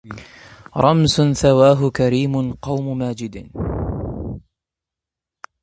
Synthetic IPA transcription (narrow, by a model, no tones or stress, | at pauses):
ɾˤɑmsʊθawaːɦʊkaɾiːmʊqɑwmʊmaːd͡ʒɪd̪